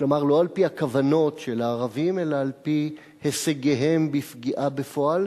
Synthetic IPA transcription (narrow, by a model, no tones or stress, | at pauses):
klo̞maʁlo̞alpihakavano̞tʃelaːʁavime̞laːlpi | heseɡeɦembifɡiʔabe̞fo̞al